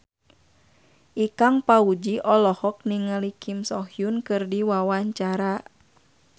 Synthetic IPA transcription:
ʔikaŋpaud͡ʒiʔɔlɔhɔk̚niŋalikʰimsɔhjunkɨrdiwawaɲt͡ʃaɾa

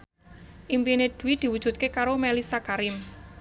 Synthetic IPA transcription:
ʔimpined̪̥ṳwid̪̥i̤wud̥ʒ̥ṳt̪̚kekaɾomɛlisakaɾɪm

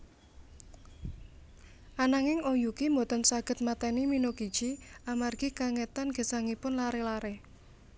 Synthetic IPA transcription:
ʔanaŋɪŋojukimbot̪ənsaɡ̥ə̤t̪̚mat̪ɛniminoɡid̥ʒ̥iamarɡ̥ikaŋet̪anɡ̥ə̤saŋipʊnlaɾelaɾe

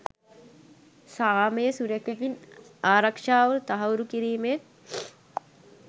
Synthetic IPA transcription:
saːmɐjesuɾɐkeʋinaːɾɐkʂaːʋult̪ɐɦɐwɾukiɾiːmet̪

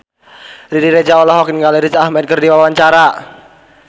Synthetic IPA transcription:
ɾiɾiɾed͡ʒaɔlɔɦɔkinɡaleɾit͡ʃahmɛd̚kɨrdiwawaɲt͡ʃaɾa

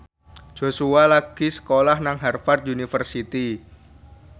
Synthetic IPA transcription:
d͡ʒ̥o̤sualaɡ̥isə̥kolahnaŋɦarfart̪̚unifərsit̪i

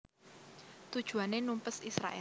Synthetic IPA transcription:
t̪ud̥ʒ̥ṳanenumpəsisɾa̰ʔɛ̰

